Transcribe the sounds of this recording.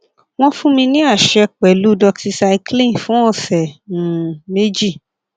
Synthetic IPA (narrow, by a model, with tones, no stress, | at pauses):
w̃ɔ̃˦fũ˦mĩ˧nĩ˦a˦˨ʃɛ˧k͡pɛ˨lu˨˦dɔ˧kti˧sa˧i˧klĩ˦˨fũ˦ɔ̃˦˨sɛ˨nũ˨me˦d͡ʒi˦˨